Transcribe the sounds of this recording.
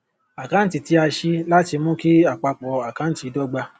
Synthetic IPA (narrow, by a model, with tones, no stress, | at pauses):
a˨kã˦n̩˦ti˨ti˨˦a˧ʃi˦la˦ti˧mũ˦ki˦a˦˨k͡pa˧k͡pɔ˨a˨kã˨˦n̩˦ti˧˦dɔ˦ɡ͡ba˧